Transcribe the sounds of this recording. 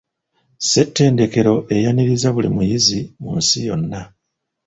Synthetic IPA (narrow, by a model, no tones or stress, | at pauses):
se̞tːe̞ːnde̞ke̞ɾo̞ʔe̞janiɾizaβulimujizimunsijo̞nːa